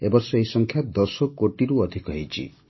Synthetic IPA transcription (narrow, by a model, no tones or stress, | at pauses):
ebɔɾsɔejsɔŋkʰjad̪ɔsɔkoʈiɾuɔd̪ʱikɔɦejt͡ʃʰḭ